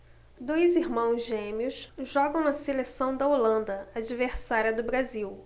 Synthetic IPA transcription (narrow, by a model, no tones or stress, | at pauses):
d̪ojziɾmɐ̃w̃zʒẽmiʊsʒɔɡɐ̃w̃nɐselesɐ̃w̃d̪ɐolɐ̃nd̪ɐad͡ʒiveɾsaɾiɐd̪ʊbɾaziw